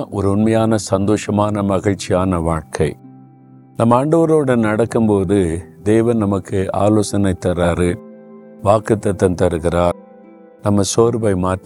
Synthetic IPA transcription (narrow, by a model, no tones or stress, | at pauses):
ʔɔɾɯʊnmɐjaːnɐsɐnd̪oːʂɐmaːnɐmɐɣɪɻt͡ʃːɪjaːnɐʋaːɻkʰɐɪ | nɐmːɐaːɳɖɐʋɐɾoːɽɐnnɐɽɐkːɯmpoːðɯd̪eːʋɐnnɐmɐkːɯa̰ːloːsɐnɐɪt̪ːɐɾaːɾɯ | ʋaːkɯt̪ːɐt̪ːɐnt̪ɐɾɯɣɪɾaː | nɐmːɐsoːɾbɐɪmaː